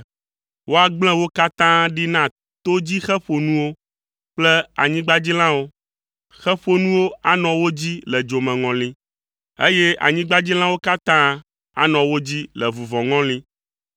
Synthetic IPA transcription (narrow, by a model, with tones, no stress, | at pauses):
wo˦a˨ɡ͡bl̃ɛ̃˦wo˦ka˦t̪ã˦ɖi˦nã˦ | t̪o˦d͡ʑi˦xɛ˦ɸo˨nũ˦wo˦ | k͡plɛ˦a̰˨ɲĩ˦ɡ͡ba˦d͡ʑi˦l̃ã˦wo˦ | xɛ˦ɸo˨nũ˦wo˦a˦nɔ̃˨wo˦d͡ʑi˦lɛ˨d͡ʒo˨mɛ̃˨ŋɔ̃˨lĩ˦ | e˦je˦ʔa̰˨ɲĩ˦ɡ͡ba˦d͡ʑi˦l̃ã˦wo˦ka˦t̪ã˦ | a̰˦nɔ̃˨wo˦d͡ʑi˦lɛ˨vu˨vɔ̃˨ŋɔ̃˦lĩ˦